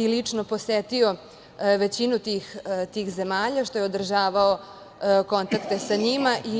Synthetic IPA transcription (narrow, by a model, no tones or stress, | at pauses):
ilit͡ʂnoposet̪io̞ | ʋet͡ɕinut̪iːxt̪iːxzemaːʎaʃt̪o̞jeod̪r̩ʒaːʋao | ko̞nt̪akt̪esaɲimaʔi